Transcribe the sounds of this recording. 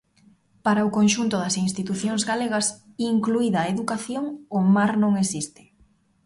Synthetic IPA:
paɾaʊkonʃunt̪ʊðɐsinst̪it̪uθjoŋzɣaleɣɐs | iŋkluiðaeðukaθjoŋʊmaɾnõŋesist̪ɪ̥

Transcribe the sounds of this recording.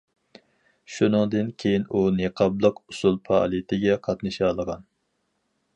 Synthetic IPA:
ʃunɨŋd̪ɨnkʲʰejinuneqʰɑblˠəqusulˠpʰɑ̰lˠit̪ʰɪɡʲɛqʰɑt̪nɨʃɑlˠəʁɑn

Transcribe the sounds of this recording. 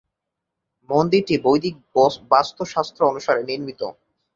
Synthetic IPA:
mond̪iɾʈibojd̪ʱik̚bast̪ʰoʃast̪ʰɾoonuʃaɾeniɾmit̪o̰

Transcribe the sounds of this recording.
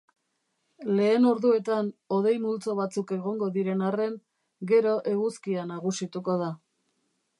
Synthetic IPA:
le̞ːno̞ɾðue̞t̪ano̞ðe̞jmult͡so̞β̞at͡suke̞ɣo̞ŋɡo̞ðiɾe̞nare̞ŋ | ɡe̞ɾo̞ʔe̞ɣuskianaɣ̞usit̪uko̞ð̞a

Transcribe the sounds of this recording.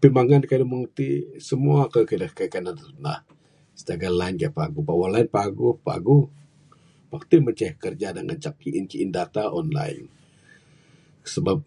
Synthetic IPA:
pimaŋankajduməŋərt̪isəmuakəkədəkaikananəna̰h | sə̥t̪aɡalaɪnɡaaʔpaɡupawalaɪnpaɡupa̰ɡu | wak̚t̪imət͡ʃɛhkərd͡ʒadaŋʔə̰t͡ʃak̚iʔint͡ʃiʔːndat̪aʔɔnla̰ɪ̰n | səbap̚

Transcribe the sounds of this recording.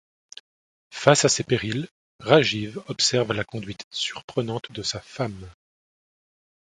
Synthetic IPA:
fasasepeʁil | ʁaʒivɔpsɛʁvlakɔ̃d̪ɥit̪syʁpχənɑ̃t̪d̪əsafam

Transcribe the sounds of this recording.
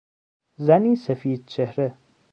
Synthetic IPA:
zɐniːsɐfiːd̪̚t͡ɕʰehɾe

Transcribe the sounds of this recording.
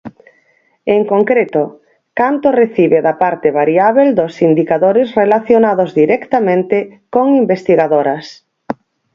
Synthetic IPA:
eŋkoŋkɾet̪o | kant̪oreθiβeðapaɾt̪eβaɾiaβeld̪osind̪ikaðoɾɪsrelaθjonaðozðiɾɛkt̪amẽnt̪ekoŋimbest̪iɣaðoɾɐs

